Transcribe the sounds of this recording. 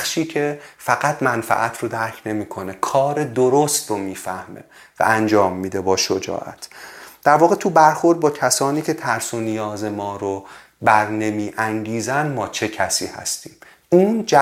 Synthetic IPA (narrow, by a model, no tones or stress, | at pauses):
ʃiːcʰe̞fæɣæt̪ʰmænfæ̰ʔæt̪ʰro̞d̪æɾcʰne̞miːkʰo̞nekʰɒːɾed̪oɾost̪romiːfæhmḛ | væ̰ænd͡ʒɒːmːiːd̪e̞bɒːʃod͡ʒɒ̰ːʔæ̰t̪ʰd̪̥æɾvɒːɣe̞t̪ʰubæɾxo̞ɾd̪̚bɒːcʰæsɒːniːcʰet̪ʰæɾso̞nijɒːze̞mɒːɾo | bæɾne̞miːʔæŋɟiːzænmɒːt͡ʃʰe̞cʰæsḭːhæ̰st̪iːm | uːnd͡ʒæ